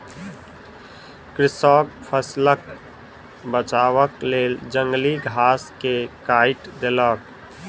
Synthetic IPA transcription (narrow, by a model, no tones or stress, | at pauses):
kɾɪsɔːkpʰəslək | bət͡ʃaːwəkleːld͡ʒə̃ŋɡliɡʱaːskekaːɪʈd̪elək